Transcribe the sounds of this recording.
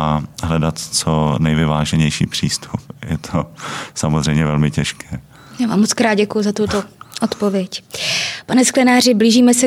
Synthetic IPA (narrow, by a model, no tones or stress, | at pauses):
aɦlɛdat̪t͡sonɛjvɪvaːʒɛɲɛjʃḭːpr̝̥iːst̪ʰupjɛt̪ʰosamozrɛjmɲɛvɛlmɪcɛʃkʰɛː | jaːvaːmːot͡skɾaːd̪̚ɟɛkujʊzat̪ut̪oʔot̪po̞vjɛcpanɛsklɛnaːr̝ɪbliːʒiːmɛsɛ